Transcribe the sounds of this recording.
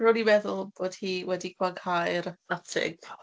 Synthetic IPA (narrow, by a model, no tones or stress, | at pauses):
rodimɛðʊlˠb̥oːd̥hiːwɛdikʰwaɡʰhajɾnatʰɪ̰ɡ̥̚